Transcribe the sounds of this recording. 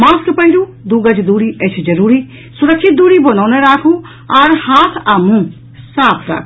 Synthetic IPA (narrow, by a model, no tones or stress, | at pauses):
mãːskpənɾuːd̪uːɡəd͡ʒd̪uːɽiːʔət͡ʃʰd͡ʒəɾuːɾiː | sʊɾəkʃɪt̪̚d̪uːɽiːbonaːnɛ̃ːɾaːkʰũː | aɾhaːt̪ʰaːmũː | saːpʰɾa̰ːkʰː